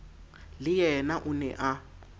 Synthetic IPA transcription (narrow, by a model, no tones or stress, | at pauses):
lɪjɛnaʔʊnɛ̰ʔa